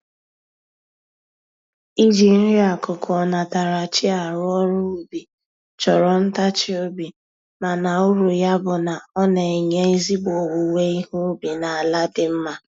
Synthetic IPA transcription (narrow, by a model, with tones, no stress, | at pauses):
i˦d͡ʒi˨n̩˦ɾi˦a˨kʊ˨kʰɔ˨na˨ta˨ɾa˨t͡ʃɪ˦a˨ɾʊ˦ɔ˦ɾʊ˦u˨bi˨ | t͡ʃɔ˨ɾɔ˨n̩˦ta˦t͡ʃɪ˦o˦bi˨ | ma˨na˨ʊ˦ɾu˨ja˦bʊ˨na˨ɔ˦ne˨e˨ɲe˦i˦zi˦bo˨wu˨we˦i˦hu˦bi˨na˨a˨la˦dɪ˨m̩˦ma˦